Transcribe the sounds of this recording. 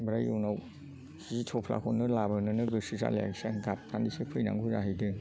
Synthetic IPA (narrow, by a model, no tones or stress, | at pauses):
bɾajownaw | sizitʰɔpʰla̰kʰɔnːɯlabanɯnɯɡɯsiza̰la̰ɡsaɡap̚tʰanisepʰɯjna̰ŋɡuzaɦɯjdɯ